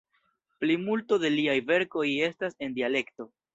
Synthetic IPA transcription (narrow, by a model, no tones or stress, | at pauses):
plimulto̞de̞liajve̞ɾko̞je̞stase̞ndiale̞kto̞